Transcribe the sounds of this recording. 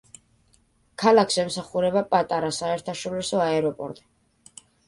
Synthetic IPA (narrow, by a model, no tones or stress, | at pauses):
kʰalˠakʰsɛmsaχuɾɛbapʼat̪ʼaɾasaɛɾt̪ʰaʃɔɾisɔaɛɾɔpʼɔ̰ɾt̪ʼɛ̥